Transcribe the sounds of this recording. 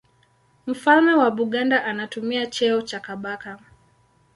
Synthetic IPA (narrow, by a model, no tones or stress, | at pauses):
m̩falmɛwaɓuɠandaʔanatumiat͡ʃɛɔt͡ʃakaɓaka